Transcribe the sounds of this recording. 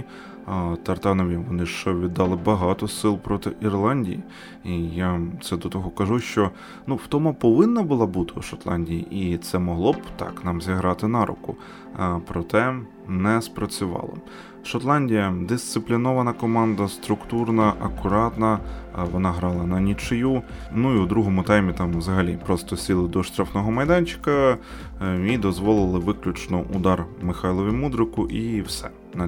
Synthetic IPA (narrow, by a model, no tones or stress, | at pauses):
t̪ɐrt̪ɑnɔʋʲiʋɔnɪʃt͡ʃɔʋʲid̪ːɑlˠɪbɐɦɑt̪ɔsɪlˠpɾɔt̪ɪʔirlˠɑnʲdʲiji | ijat̪sɛd̪ɔt̪ɔɦɔkɐʒuʃt͡ʃɔ | nuwt̪ɔmɐpɔʋɪnːɐbʊlˠɑbut̪ɪuʃɔt̪lˠɑnʲdʲijḭʔit̪sɛmɔɦlˠɔbt̪ɑ̰knɑmzʲiɦɾɑt̪ɪnɑɾʊ̰kʊ | pɾɔt̪ɛ | nɛspɾɐt͡sʲʊʋɑ̰lˠɔ̰ | ʃɔt̪lˠɑnʲdʲijɐd̪ɪst̪sɪplʲinɔʋɐnɐkɔmɑnd̪ɐst̪ɾʊkt̪urnɐʔɐkʊɾɑt̪nɐʋɔnɑɦɾɑlˠɐnɐnʲit͡ʃɪjunuiʊd̪ɾuɦɔmʊt̪ɛjmʲit̪ɑmwzɐɦɐlʲipɾɔst̪ɔsʲilˠɪd̪ɔʃt̪ɾafnɔɦɔmɐjd̪ɑnʲt͡ʃɪ̥kɐ | id̪ɔzʋɔlˠɪlˠɪʋɪklʲʊt͡ʃnɔʔuʊd̪ɑrmɪxɑjlˠɔʋʲimud̪ɾɪkʊʔiwsɛ̰ | nɐ